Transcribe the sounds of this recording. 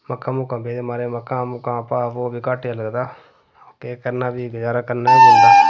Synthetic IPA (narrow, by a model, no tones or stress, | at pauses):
məkʰːãːmʊkãːbʱeːd̪emaːɾeməkːãːmʊkãːpaːʋoːbʱikaːʈːjaləɡd̪aː | okekəɾnaːbʱiɡəd͡ʒaːɾakəɾnaibeaː